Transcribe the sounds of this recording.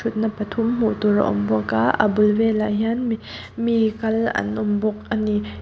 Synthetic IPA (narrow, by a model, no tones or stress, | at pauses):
ʊt̪̚napɐt̪ʰʊmm̥ut̪uɾa̰ʔɔ̰mbɔka̰ʔa̰bʊlvɛlaʔɦianm | mikɐlɐ̰nʔʊmbɔk̚ani